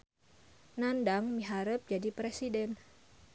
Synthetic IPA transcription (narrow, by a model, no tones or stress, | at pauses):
nandaŋmiɦaɾəp̚d͡ʒadipɾesidɛn